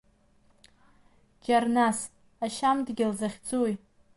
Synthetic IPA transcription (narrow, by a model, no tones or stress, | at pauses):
d͡ʒarnas | aʃamdɡʲɪlzaχʲd͡zuj